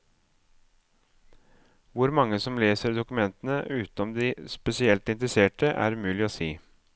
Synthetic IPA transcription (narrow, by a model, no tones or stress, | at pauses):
ʋʊɾmɑŋːəsɔmleːsəɾd̪ʊkʉmɛnt̪ənəʔʉːt̪n̩ɔmd̪iːspɛsɪɛlt̪ɪnt̪ɾəseːʈəʔæ̰ːɾʉmʉːlɪoːsiː